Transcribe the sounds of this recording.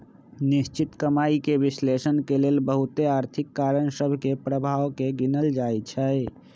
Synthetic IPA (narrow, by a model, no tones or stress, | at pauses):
nist͡ʃit̪kəmaikebislesənkelelbəɦut̪eaɾt̪ʰikːaɾənsəbʱkepɾəbʱawkeɡinəld͡ʒajt͡ʃʰɛj